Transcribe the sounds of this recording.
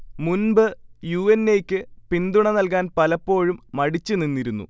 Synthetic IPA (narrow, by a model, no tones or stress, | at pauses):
munbɨjuːenːejkʲːɨpind̪uɳɐnɐlk̬aːnpɐlɐpːo̞ːɻumːɐɽit͡ɕːɨninːiɾunːṵ